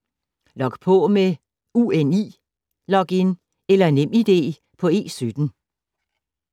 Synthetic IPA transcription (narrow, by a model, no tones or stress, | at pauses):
lɒ̽ɡ̥pʰɔ̽me | uːenḭː | lɒ̽ɡ̥en | elɐe̝nem̰id̥e̝̰ː | pʰɒ̽e̝̰ːsyd̥n̩